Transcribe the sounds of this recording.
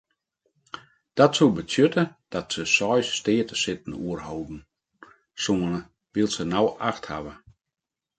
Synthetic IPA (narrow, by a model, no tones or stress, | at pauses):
d̥ɔtsulˠbətjøtəd̥ɔtsəsɔjsːteətəsɪtn̩uərhoːbn̩ | suənə | ʋilˠsənawʔa̰xtha̰ʋə